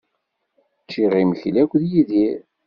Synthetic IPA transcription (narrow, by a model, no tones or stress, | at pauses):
t͡ʃːiʁiməçlækʷːðjiðiɾ